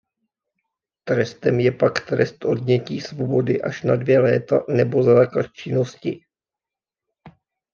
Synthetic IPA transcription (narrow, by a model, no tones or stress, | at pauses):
t̪ɾɛst̪ɛmjɛpakt̪ɾɛst̪ʔo̞dɲɛciːsvobo̞dɪʔaʃnadvjɛlɛːt̪anɛbo̞zaːklat̪̚t͡ʃɪno̞scɪ